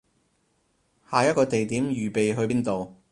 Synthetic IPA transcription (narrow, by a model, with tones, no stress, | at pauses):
haː˨jɐ˥t̚kɔː˧t̪e˨jt̪i˨˥mjyː˨˩pe˨jɦɵ˧ɥiː˥nt̪o˨w